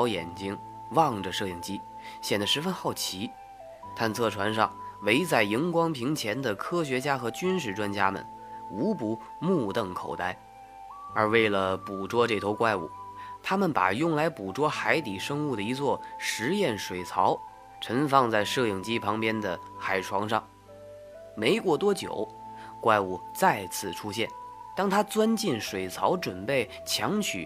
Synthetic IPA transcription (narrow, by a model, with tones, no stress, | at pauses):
ʊjɛ̰˨˩nt͡ɕi˥ŋ | wɑ˥˩ŋʈ͡ʂə˩ʂɤ˥˧i˥˩ŋt͡ɕi˥ | ɕjɛ˨˩nd̪ə˦ʂɻ̩˧˥fə˥nxɑ˥˩ʊt͡ɕʰi˧˥ | t̪ʰa˥˧nt͡sʰɤ˥˩ʈ͡ʂʰwa˧˥nʂɑ˥˧ŋwe˧˥ɪt͡sa˥˩ɪi˧˥ŋkwɑ˥ŋpʰi˧˥ŋt͡ɕʰjɛ˧˥nd̪ə˨kʰɤ˥ɕɥɛ˧˥t͡ɕja˥xɤ˧˥t͡ɕy˥nʂɻ̩˥˩ʈ͡ʂwa˥nt͡ɕja˥mə̰˨˩n | u˧˥pu˧˥ | mu˥˧t̪ɤ˥˩ŋkʰo̰˨˩ʊt̪a˥˩ɪ | ə˞˧˥we˥˩ɪlə˩pu˨˩ʈ͡ʂwɔ˥ʈ͡ʂɤ˥˩t̪ʰo˧˥kwa˥˧ɪṵ˨˩˦t̪ʰa˥mə˨npa̰˨˩jʊ˥˩ŋla˧˥ɪpu˨˩ʈ͡ʂwɔ˥xa˧˥ɪt̪i˨˩ʂɤ˥ŋu˥˩d̪ə˩i˧˥t͡swɔ˥˩ʂɻ̩˧˥jɛ˥˩nʂwe˨˩ɪt͡sʰɑ˧˥ʊ | ʈ͡ʂʰə˧˥nfɑ˥˧ŋt͡sa˥˧ɪʂɤ˥˩ji˨˩ŋt͡ɕi˥pʰɑ˧˥ŋpjɛ˥nd̪ə˨xa˨˩ɪʈ͡ʂʰwɑ˧˥ŋʂɑ˥˩ŋ | me˧˥ɪkwɔ˥˩t̪wɔ˥t͡ɕjo̰˨˩˦ʊ | kwa˥˧ɪu˥˩t͡sa˥˧ɪt͡sʰɹ̩˥˩ʈ͡ʂʰu˥ɕjɛ˥˩n | t̪ɑ˥ŋt̪ʰa˥t͡swa˥nt͡ɕi˥˩nʂwe˨˩ɪt͡sʰɑ˧˥ʊʈ͡ʂwə˨˩npe˥˩ɪ | t͡ɕʰjɑ˧˥ŋt͡ɕʰy̰˨˩˦